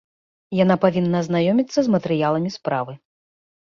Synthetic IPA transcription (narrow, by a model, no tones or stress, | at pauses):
janapavʲinːɐːznajɔmʲit̪sːɐzmɐt̪ɛɾɨjalˠɐmʲispɾavɨ